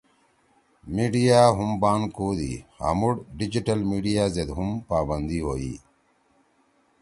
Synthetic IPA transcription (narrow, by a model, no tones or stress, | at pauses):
miːɖijaːɦumbaːnkoːd̪ḭːha̰muɽɖid͡ʑiʈɐlmiːɖijaːzed̪ɦumpaːbɐnd̪iːɦoːḭː